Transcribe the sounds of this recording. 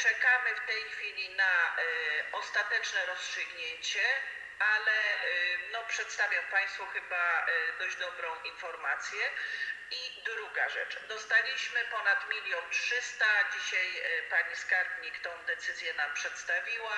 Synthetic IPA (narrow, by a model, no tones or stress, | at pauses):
t͡ʂɛkamɘft̪ɛjxfʲilʲina | ɔst̪at̪ɛt͡ʂnɛɾɔstʂɘɡɲeɲt͡ɕɛ | alɛnɔpʂɛt̪st̪avʲjampaj̃st̪fuxɘbad̪ɔʑd͡ʑd̪ɔbɾɔ̃w̃ʔinfɔɾmat̪sʲjɛid̪ɾuɡaʐɛ̰t͡ʂd̪ɔst̪alʲiɕmɘpɔnat̪mʲilʲjɔntʂɘst̪ad͡ʑiɕajpaɲiskaɾbɲikt̪ɔ̃w̃d̪ɛt̪sɘzʲjɛnampʂɛt̪st̪avʲiwa